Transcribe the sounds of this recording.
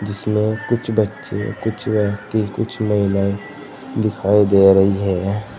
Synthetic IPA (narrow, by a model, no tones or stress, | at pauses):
d͡ʒɪsmẽkʊt͡ʃʰbətːʃḛkʊt͡ʃʰʋəkt̪ikʊt͡ʃʰməɦɪnai | d̪ɪkʰaːid̪eːɾɐɦiɦɛː